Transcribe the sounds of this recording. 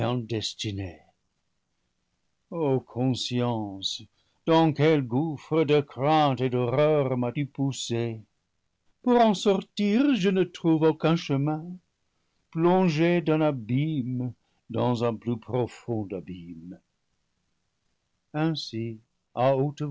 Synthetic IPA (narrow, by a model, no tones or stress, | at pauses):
ɛ̃d̪ɛst̪ine | okʰɔ̃sjɑ̃s | d̪̥ɑ̃kɛlɡufʁəd̪əkʁɛ̃t̪ed̪ɔʁœʁmat̪ypuse | puʁɑ̃sɔʁt̪iʁʒənət̪χuvokɛ̃ʃəmɛ̃ | plɔ̃ʒed̪ɛ̃nabim | d̪ɑ̃zɛ̃plypʁɔfɔ̃d̪abim | ɛ̃si | aot̪ə